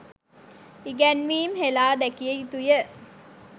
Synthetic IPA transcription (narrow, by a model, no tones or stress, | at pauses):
iɡænʋiːmhelaːd̪ækiəit̪ujə